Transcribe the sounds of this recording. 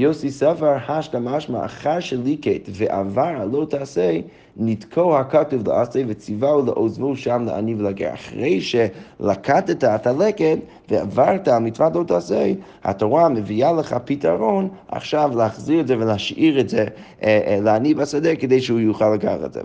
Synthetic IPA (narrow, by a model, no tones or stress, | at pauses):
joʊsisɛfaɾhaʃtamaʃma̰ʔa̰χaɾʃɛlˠiketvɛʔa̰vaɾalˠoʊtʰaːsej | nidkʰoʊhakatuvlə̰ʔaseɪvət͡sivawlˠəʔozvoʊʃamlə̰ʔa̰nivəlˠaɡɛ̰ɾa̰χʁeɪʃɛlakʰatɛtaɛthalɛkɛt | vəa̰vaɾtaalˠmit͡svatlˠoʊtaːsejha̰toʁaməvialˠəχapitaɾona̰χʃavləaχziɾɛtzɛvələaʃiɾɛtzɛ | ləanibasɛdɛkədeɪʃəhujuχalːˠəɡalɛ̰zɛ̰